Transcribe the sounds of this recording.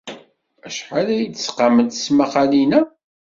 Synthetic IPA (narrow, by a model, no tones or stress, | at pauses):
æʃħalæjid̪əsqaməd̪smaχalinæ